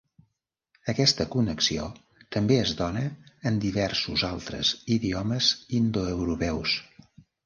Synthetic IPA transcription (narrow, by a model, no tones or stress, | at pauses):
əkɛst̪əkunəksio̰ | t̪əmbeəzd̪ɔnəːnd̪iβɛɾsuzalˠt̪ɾə̰ziðiɔməzind̪oəwɾupɛws